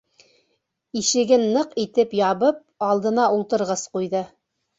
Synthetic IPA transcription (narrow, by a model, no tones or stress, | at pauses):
iʃɘ̆ɡɘnːɤqit̪ɘpjɑβɤp̚ɑlˠd̪ɤ̆nɑʔulˠt̪ɤ̆ɾʁɤsqujðɤ